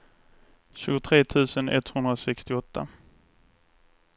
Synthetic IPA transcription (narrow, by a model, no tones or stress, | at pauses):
ɕʉ̟ːɡʊt̪ʰɾeːt̪ʰʉ̟ːsənɛ̰t̪hɵnd̪ɾasɛkst̪ɪɔt̪ʰːa̰